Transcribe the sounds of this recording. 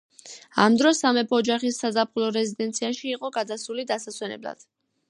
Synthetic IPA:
a̰md̪ɾɔsamɛpʰɔːd͡ʒaχisːazapʰulˠɔɾɛzid̪ɛnt̪sʰiaʃiːqʼɔɡad̪asulid̪asasʰwɛnɛ̰bla̰d̪̥

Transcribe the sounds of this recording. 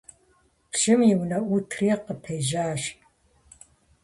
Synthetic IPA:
pʃɪmjɪwnɐʔʷutʰriːqəpʰejʒaːʃ

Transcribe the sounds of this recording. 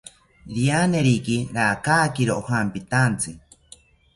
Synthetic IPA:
ɾianeɾikiɾaːkaːkiɾoohampit̪ant͡sɨ

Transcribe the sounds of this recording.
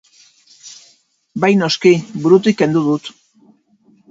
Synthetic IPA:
bajno̞skibuɾut̪̬ike̞nd̪uðut̪

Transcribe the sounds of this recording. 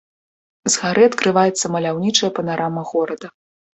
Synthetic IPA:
zɣaɾɨɐt̪kɾɨvajɛt̪sːɐmɐlʲawnʲit͡ʂɐjɐpɐnaɾamɐɣɔɾɐd̪ɐ

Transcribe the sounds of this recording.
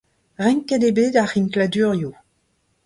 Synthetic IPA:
ʁɛ̃ŋkedebeːdaχinkladyːʁju

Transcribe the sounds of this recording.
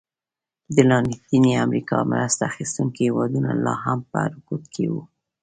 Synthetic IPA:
d̪əlɑnit̪iniamɾikɑmɾast̪axist̪uŋkihewɑd̪unalɑɦampə̰ɾʊkut̪kʰḛwu

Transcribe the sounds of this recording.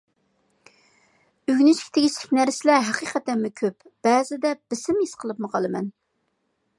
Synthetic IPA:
yɡʲnɪʃkʲt̪ʰɪɡʲiʃlɪkʲnæɾsɪlæɾɦæqiqʰɛt̪ːɛnmɪkʲʰøpb̥ɛːzɪd̪ɛb̥ɪsɪmjisqʰəlˠɨpmɨqʰɑlˠɨmɛ̰n

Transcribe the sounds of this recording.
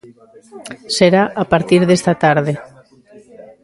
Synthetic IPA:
seɾaʔapaɾt̪iɾðest̪at̪aɾðe

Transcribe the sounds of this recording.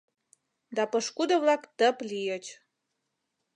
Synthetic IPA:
d̪ɑpɤʃkud̪ɤ̆βlɑkt̪əplijət͡ɕ

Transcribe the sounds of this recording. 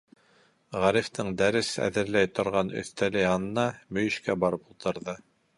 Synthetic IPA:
ʁæɾift̪ɤɴd̪æɾɘsæ̰ðɘ̆ɾlæjt̪ŏɾʁɑnɵ̰̆θt̪ælɘɑnɤ̆nɑmɵ̆jɘ̆ʃkæbɑɾɤpulˠt̪ɤ̆ɾðɤ

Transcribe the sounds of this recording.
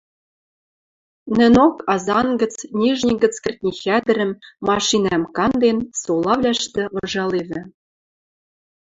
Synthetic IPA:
nɘ̆nokɑzɑnɡə̆t͡snʲiʒnʲiɡɘ̆t͡skɘ̆rʲt̪ʲnʲixʲæd̪ɘ̆ɾɘ̆mːɑʃinæmkɑnd̪ensolˠɑvlʲæʃt̪ɘ̆ɤ̆ʒɑleβʲɘ̆

